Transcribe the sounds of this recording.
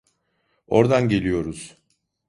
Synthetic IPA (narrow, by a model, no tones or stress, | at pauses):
o̞ɾd̪anɟe̞lʲijo̞ɾuz̥